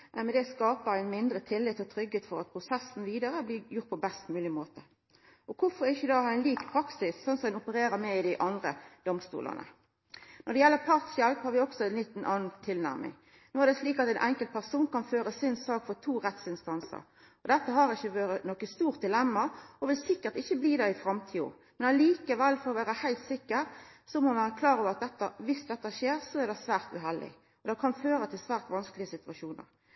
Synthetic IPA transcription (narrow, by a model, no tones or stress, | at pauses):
æmɛd̪ɛskɑːpəæɪnmɪnd̪ɾət̪ʰɪlːɪt̪ɔt̪ʰɾʏɡːheːt̪fɔɾɑt̪̚pʰɾʊsɛsn̩ʋiːd̪əɾəbliːjʊɾt̪̚pʰɔbɛst̪mʉːlɪmoːt̪ə | ʔɔkʰʊfɔɾɪçːəd̪ɑːhɑɾæɪnliːkpʰɾɑksɪsːɔnsɔɛnɔpəɾeːɾəmɛɪd̪ɪʔɑnd̪ʁəd̪̥ɔmst̪ṵːlə̰nə̰ | nʔɔʁd̪ɛjɛlːəpʰɑʁt̪sjɛlphɑːɾʋɪɔksɔɛnlit̪n̩ʔɑːnnt̪ʰɪlnæ̰ɾmʔɪ̰ŋ | noːæʁɾd̪ɛsliːkɑt̪ɛɪnʔɛŋkəlt̪̚pʰæʁsuːnkɑnføːɾəsɪnsɑːkfɔt̪ʰuːɾɛt̪sɪnst̪ɑnsə̰ɾ | ɔd̪ɛt̪ːəɦɑɾɪçːəʋøːɾənɔkːəst̪uːʁt̪̚d̪ɪlɛmːɑɔʋɪlsɪkːəɾt̪ɪçːəbliːd̪ɛɪfɾɑmt̪ʰiːɔ̰ | mɛnɑliːkəʋɛlːfɔɾɔʋæːɾəhæɪlt̪sɪkːəɾsɔmɔnʋæɾəkʰlɑːɾoːʋəɾɑt̪̚d̪ɛt̪ːɑʋɪsd̪ɛt̪ːɑʃeːʁsɔæɾd̪ɛsʋæːʁt̪ʉɦɛld̪ɪ̰ | ɔd̪ɛkʰɑnføːɾət̪ʰɪlsʋæːʁt̪ʋɑnsklɪəsɪt̪ʉɑʃuːnə̰ɾ